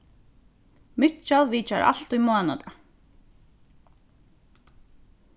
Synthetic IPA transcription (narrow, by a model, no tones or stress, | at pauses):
mɪt͡ʃalˠʋiːt͡ʃaɾʔa̰lt̪ujmɔaːna̰t̪a